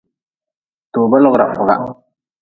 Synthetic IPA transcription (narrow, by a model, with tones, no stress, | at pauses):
toː˨ba˦lʊ˦ɣɾa˨fʊ˨ɣa̰˦